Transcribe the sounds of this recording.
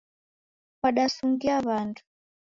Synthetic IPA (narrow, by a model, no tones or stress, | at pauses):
waɗasuŋɡiaβantʰu̥